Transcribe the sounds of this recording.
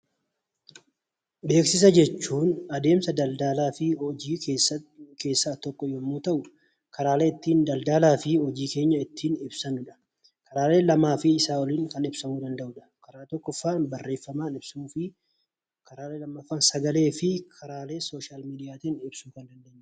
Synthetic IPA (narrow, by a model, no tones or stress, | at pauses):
be̞ːksɪs̬ɐd͡ʒɛt͡ʃːuːnɐd̪e̞ːmsɐd̪ɐld̪aːlaːfɪd͡ʒiː | ke̞ːsːaːt̪ɔkːɔjɔmːuːt̪ɐʔʊ | kʰɐɾaːle̞ːɪt̪ːiːnd̪ɐld̪aːlaːfɪhɔd͡ʒiːke̞ːɲːɐɪt̪ːiːnɪbsɐnʊᶑɐ̥ | kɐɾaːle̞ːlɐmaːfɪːsaːwɔliːŋkɐnɪbsɐmuːd̪ɐnd̪ɐʔʊᶑɐ̥kɐɾaːt̪ɔkːɔfːaːbɐrːe̞ːfːɐmaːnɪbsuːfɪ | kɐɾaːleːlɐmːɐfːaːnsɐɡɐle̞ːfɪkʰɐɾaːle̞ːsoːʃaːlmiːd̪ɪjaːt̪iːnɪbsuːkɐnd̪ɐnd̪eːɲː